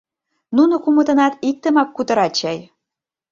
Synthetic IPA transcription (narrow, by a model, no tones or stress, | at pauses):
nunŏkumə̆t̪ɤ̆nɑt̪ik̚t̪ə̆mɑkːut̪ɤ̆ɾɑt͡ɕɑj